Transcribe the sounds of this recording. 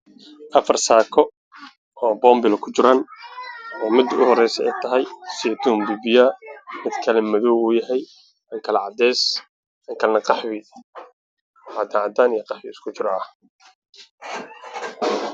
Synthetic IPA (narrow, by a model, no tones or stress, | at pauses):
ʔɐfɐrsaːkʰɔ | ɔːbɔːmbɪlɔkʰʊt͡ʃɪɾan | ɔːmɪd̪ʊ̰hɔɾɛjsɛɛjt̪ʰɐɦɛjsɪd̪ʰuːmbubɪjaːmɪd̪kʰɐlɛmɐðɔwuːjɐɦɛj | ɐŋkʰɐlɐʕɑd̪ɛːs | ɐŋkʰɐlnɐqɑħwɪ | ħɑd̪aʕɑd̪aːnijɐqɑħwɪɪskʰʊt͡ʃɪɾɐ